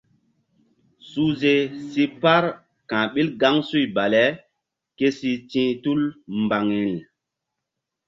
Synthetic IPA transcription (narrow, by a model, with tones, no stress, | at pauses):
su˦ze˦si˦pa˦ɾ | kã˨ɓi˦lɡa˦ŋsu˦jba˨lɛ˨˦ | ke˦si˧tĩː˦tu˦lmba˨ŋi˨l